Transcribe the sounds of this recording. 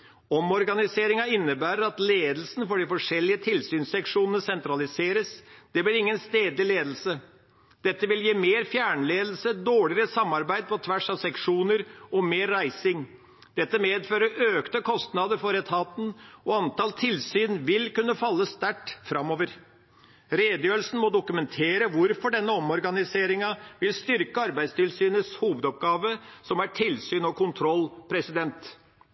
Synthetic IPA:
ɔmɔɾɡɑnɪseːɾɪŋɑɪnːəbæːɾəɾɑt̪leːd̪l̩sn̩fɔɖɪfɔʂɛlːɪət̪ʰɪlsyːnsɛkʂuːnənəsɛnt̪ɾɑlɪseːɾəsd̪̥ɛblɪɾɪŋːənst̪eːd̪lɪleːd̪l̩sə | d̪̥ɛt̪ːəʋɪljiːmeːɾfjæːɳleːd̪l̩səd̪oːɭɪəɾəsɑmːɑɾbæɪd̪̚pʰɔt̪ʰʋæʂɑʋsɛkʂuːnəɾɔmeːɾæɪsɪŋ | d̪̥ɛt̪ːəmeːd̪føːɾəøːkt̪əkʰɔst̪nɑd̪əɾfɔɾɛt̪ʰɑːt̪n̩ɔɑnt̪ɑːlt̪ʰɪlsyːnʋɪlkʉnːəfɑlːəst̪æʈfɾɑmːɔːʋəɾ | ɾeːd̪əjøːɾəlsn̩mɔd̪ʊkʉmɛnt̪ʰeːɾəʋʊɾfɔɖɛnːəɔmɔɾɡɑnɪseːɾɪŋɑʋɪlst̪ʏɾkəɑɾbæɪst̪ʰɪlsyːnəshuːʋəd̪ɔp̚ɡɑːʋəsɔmæʈʰɪlsyːnɔkʊnt̪ʰɾɔlːpʰɾɛsɪd̪ɛnt̪

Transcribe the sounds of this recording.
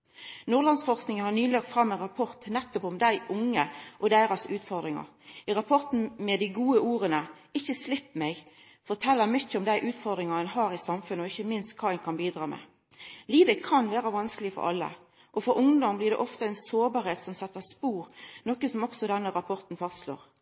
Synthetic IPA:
nuːʁlɑnsfɔɾsknɪŋənhɑnyːlɑːk̚t̪fɾɑmːɛnɾɑpʰɔɾt̪nɛt̪ːɔpɔmd̪æɪʔʊŋːəʔɔd̪æɪɾɑsʉːt̪fɔɾd̪ɾɪŋɑ̰ | ɪɾɑpʰɔʁt̪n̩mɛd̪ɪɡuːəuːɾənə | ɪçːəslɪpːmɛɡ | fɔɾt̪ʰɛlːəmʏçːəɔmd̪æɪʔʉːt̪fɔʁd̪ɾɪŋɑɛnɦɑːɾɪsɑmfʉnəɔɪçːəmɪnst̪kʰɑːæɪŋkʰɑnbiːd̪ɾɑːmɛ̰ | liːʋəkʰɑnʋeːɾəʋɑnskəlɪəfɔ̰ɾʔɑ̰lːə̰ | ʔɔfɔɾʊŋd̪ɔmblɪɾd̪ɛ̰ʔɔft̪əæɛnsoːbɑːɾheːt̪sɔmsɛt̪ːəspuːɾnɔkːəsɔmɔksɔd̪ɛnːəɾɑpʰɔɾt̪n̩fɑst̪slo̰ːɾ

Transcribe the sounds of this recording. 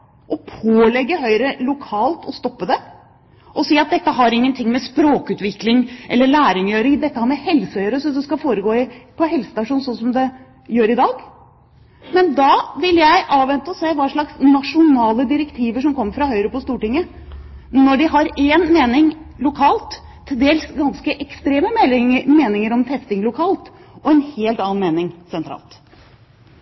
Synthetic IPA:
ʔɔpʰoːlɛɡːəɦœʏɾəlʊkʰɑːlt̪ɔst̪ɔpːəd̪ɛ | ʔɔsiːɑt̪̚d̪ɛt̪ːəɦɑɾɪŋːənt̪ʰɪŋːmɛspɾoːkʉːt̪ʋɪklɪŋʔɛlːəɭæːɾɪŋjøːɾɪŋd̪ɛt̪ːəhæɾmɛhɛlsəhœʏəɾəsɔd̪ɛskɑfoːɾəɡoːɪpʰɔɦɛlsə̥st̪ɑʂuːnsɔnsɔmd̪ɛ | jøːɾɪd̪ɑːɡ | mɛnd̪ɑʋɪljæɪʔɑːʋʋɛnt̪əɔseːʋɑːʂɭɑksnɑʂʊnɑːləd̪ɪɾɛkt̪ʰiːʋəʂɔmkʰɔmːəɾfɾɑhœʏɾəpɔst̪uːʈɪŋːə | nɔɖɪɦɑɾeːnmeːnɪŋlʊkʰɑːlt̪ʰː | ɪld̪eːlsɡɑnskəʔɛkst̪ɾeːməmeːnɪŋəɾɔmt̪ʰɛst̪ɪŋlʊkʰɑːlt̪ | ʔɔɛnheːlt̪ɑːɑnmeːnɪŋsɛnt̪ʰɾɑ̰ːlt̪

